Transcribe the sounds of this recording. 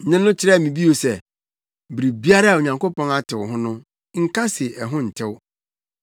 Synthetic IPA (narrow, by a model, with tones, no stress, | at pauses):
nɪ̃˦nʊ̃˦t͡ɕʰɪ˦ɾɛ˦˨mĩ˨bi˦o˨sɛ˦ | bɾi˨bi˦a˦ɾa˦˨o˨ɲã˨ŋko˦pɔ̃˦na˦tʰɪ˨wɦʊ̃˦nʊ̃˦ | ŋ̩˦kʰa˦sɪ˨ɛ˨ɦʊ̃˦n̩˨tʰɪ˦w